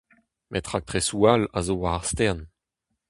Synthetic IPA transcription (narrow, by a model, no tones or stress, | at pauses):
mʔɛt̪χak̚t̪χesuala̰zowaaʁst̪ɛʁn